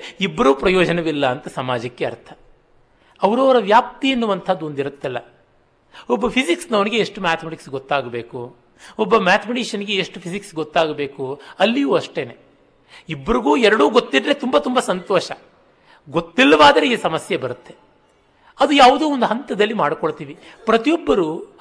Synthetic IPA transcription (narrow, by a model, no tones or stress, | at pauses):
ibːɐɾuːpɾɐjɔːd͡ʒɐnɐʋilːɐːnt̪ɐsɐmaːd͡ʒɐkːeɐ̰ɾt̪ʰɐ̥ | ɐʋɐɾɐːʋɐɾɐʋjaːp̚t̪iɐnːuʋɐnt̪ʰɐd̪ːuond̪iɾut̪ːilːɐ̰ | ɔbːɐpʰisiksnɐʋɐniɡe̞eʂʈumaːt̪ʰɐmɐʈiksɡɔt̪ːaːɡɐbe̞ːku | ɔbːɐmaːt̪ʰɐmɐʈiːʃɐniɡe̞eʂʈupʰisiksɡɔt̪ːaːɡɐbe̞ːkuɐlːijuːɐʂʈe̞ːneː | ibːɐɾiɡuːɛɾɐɽuːɡot̪ːidɾe̞t̪umbat̪umbɐsɐnt̪oɔːʃɐ | ɡot̪ːilːɐʋaːd̪ɐɾe̞iːsɐmɐsjɐbɐɾut̪ːe̞ | ɐd̪ujaːʋud̪uːond̪uɦɐnt̪ɐd̪ɐlːimaːɽkoɭt̪iːʋipɾɐt̪ijɔbːɐɾu